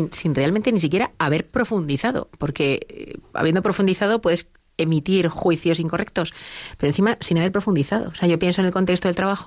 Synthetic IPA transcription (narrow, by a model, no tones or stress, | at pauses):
insinrealment̪enis̬ikje̞ɾaaβ̞e̞ɾpɾo̞fund̪iθaðo̞̰po̞ɾke̞a̰βje̞nd̪opɾo̞fund̪iθað̞o̞pweðes | e̞mit̪iɾxwiθjo̞siŋkorʔek̚t̪o̞spe̞ɾon̟θimasinaβ̞eɾpɾo̞fund̪iθaðo̞̰seaʝo̞pje̞nsonelko̞nt̪ekst̪oet̪ɾaβaxo